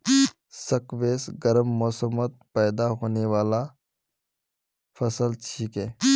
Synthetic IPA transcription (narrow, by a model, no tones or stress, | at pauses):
sɐkʋeːsɡɐɾəmːɔːsəmət̪̚pɛːd̪aɦoːneʋaːla | fʰɐsəlt͡ʃʰiːkɦɛː